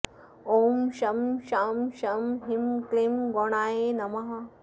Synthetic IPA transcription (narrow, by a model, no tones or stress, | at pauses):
oːmʃɐmʃaːmʃɐmɦimklimɡoːɳaːjenɐmɐɦɐ